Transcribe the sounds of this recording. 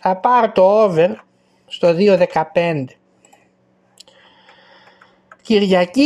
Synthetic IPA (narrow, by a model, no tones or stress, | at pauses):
θɐpɐɾot̪o̞oveɾ | st̪o̞ðio̞ðe̞kɐpe̞nd̪e̞̥ | ciɾʝɐci